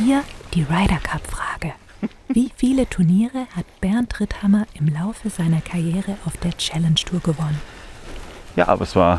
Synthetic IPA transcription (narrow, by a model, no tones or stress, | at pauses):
hiːɐd̥iːʁaɪɾɐkʰapfʁ̥aːɡ̥ə | viːfiːlətʰʊɐniːʁəhatb̥ɛɐntʁ̥ɪthamɐʔɪmlaʊfəzaɪnɐkʰaɐjɛːʁəʔaʊfd̥eːɐt͡ʃɛlɛnstʰuːɐɡəvɔnən | ja̰ːʔa̰bɐ̰ɛsv̥a̰ːɐ